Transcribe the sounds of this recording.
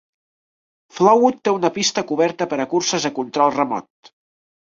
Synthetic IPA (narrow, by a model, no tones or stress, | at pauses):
flɔwut̪ːeunəpist̪əkuβɛɾt̪əpəɾəkursəzəkunt̪ɾɔlˠrəmɔ̰t̪̚